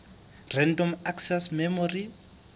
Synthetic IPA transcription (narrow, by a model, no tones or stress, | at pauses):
rɛndɔmaksɛsmɛmɔri